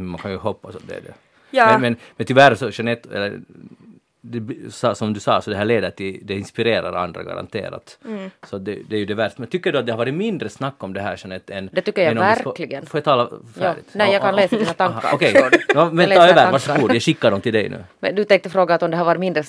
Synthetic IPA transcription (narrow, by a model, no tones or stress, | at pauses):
mankʰanjʉɦɔpːasat̪̚d̪ɛ̰ːɖɛ̰ | ɛmɛnmɛnt̪ʏvæɾsɔɕɛnɛt̪ːɛ̰lːə̰ɾ | d̪ɛsɑsɔmd̪ʉsɑ̰ːsɔd̪ɛɦæːɭeːd̪əʈ̪ɪd̪ɛɪnspɪɾeːɾa̰ɾa̰nd̪ɾa̰ɡa̰ɾa̰nt̪ʰḛːɾa̰t̪sɔat̪̚d̪ɛd̪ɛæɾjʉd̪ɛvæɾʂt̪mɛnt̪ʰʏkːədʊat̪̚d̪ɛhaɾɑːɾɪmɪnd̪ɾəsnakːɔmd̪ɛɦæ̰ːɾʂanɛt̪ːɛnd̪ɛt̪ʏkːəɾjaɛnɔæɾklɪɡənfoːjat̪ʰɑːlafæːɭɪ̰t̪nɛjaːkanleːsnaaŋkːa̰ɔkɛjnɔmɛnlɑːjʋæːɾvaʂɔɡuːd̪jaɕɪkːaɖɔmt̪ʰɪld̪ɛjnʉ̰ːmɛnd̪ɵt̪ɛŋk̚t̪əfɾoːɡanat̪ɔmd̪ɛhaɾʋɑːɾɪmɪnd̪ɾə